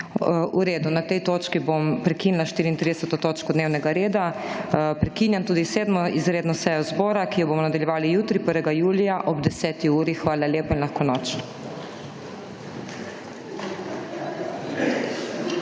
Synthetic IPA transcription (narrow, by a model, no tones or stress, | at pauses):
uɾeːd̪unat̪ɛjt̪oːt͡ʃkibompɾɛkiːnlaʃt̪iːɾiːnt̪ɾid̪ɛsɛt̪ot̪oːt͡ʃkɔd̪neːwnɛɡaɾeːd̪a | pɾɛkinjamt̪uːd̪iseːd̪mɔizɾeːd̪nɔsɛjɔzbɔːɾakijɔbomɔnad̪aljɛʋaːlijuːt̪ɾipəɾʋɛɡajuːlijaʔɔbd̪ɛsɛːt̪iuːɾixʋaːlaleːpainlaxkonɔt͡ʃ